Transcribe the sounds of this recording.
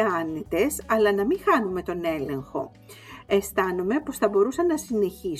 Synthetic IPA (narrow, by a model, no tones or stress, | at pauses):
ɐnit̪e̞sɐlɐnɐmiŋxɐnume̞t̪o̞ne̞le̞ŋxo̞̰ | e̞st̪ɐnome̞po̞sθɐbo̞ɾusɐnɐsine̞çi